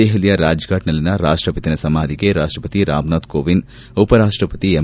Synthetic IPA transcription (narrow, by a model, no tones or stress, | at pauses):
eːɦɐlijɐɾaːd͡ʒɡaːʈnɐlinɐɾaːʂʈɾɐpɐt̪inɐsɐmaːd̪iɡeɾaːʂʈɾɐpɐt̪iɾaːmnaːt̪koːʋin | opɐɾaːʂʈɾɐpɐt̪ie